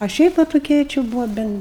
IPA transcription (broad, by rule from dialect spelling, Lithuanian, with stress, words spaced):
ɐ ˈʃʲɛɪp ʋɐ toːˈkʲiɛ t͡ʃʲɪ ˈbuːʋoː ˈbʲɛn